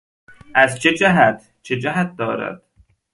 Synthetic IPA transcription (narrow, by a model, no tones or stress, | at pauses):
ʔæzt͡ʃʰed͡ʒæɦæt̪ʰ | t͡ʃʰed͡ʒæɦæt̪̚d̪ɒːɾæ̰d̪̥